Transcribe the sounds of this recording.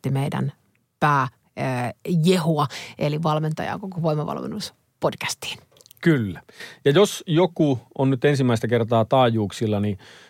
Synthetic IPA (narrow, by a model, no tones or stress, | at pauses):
imeidæ̰n | pæː | jehuɑeliʋɑlment̪ɑjɑ̰ːkokoʋoimɑʋɑ̰lmḛnːus | pod̥kæ̥st̪i̥ːn | kylːæjɑjosjokuʔonnyt̪ensimːæist̪ækert̪ɑːt̪ɑːjuːksilːɑni